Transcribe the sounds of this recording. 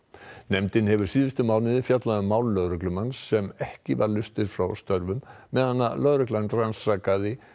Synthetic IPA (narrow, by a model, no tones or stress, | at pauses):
nɛmt̪ɪnhɛvʏɾ̥siːðɪst̪ʏmaːwnɪðɪfjat̪laðʏmaːwlːœðɾʏklʏmansːɛmɛhcɪvaɾlʏst̪ɪɾ̥fɾawst̪œɾvʏmː | ɛðhanːa̰lœðɾʏklanransɾakaðɪ